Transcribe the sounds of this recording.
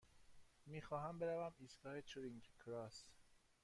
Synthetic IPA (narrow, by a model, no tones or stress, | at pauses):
miːxɒːɦæmbeɾævæmiːsɡɒːhet͡ʃʰuɾiŋɡkʰɾɒs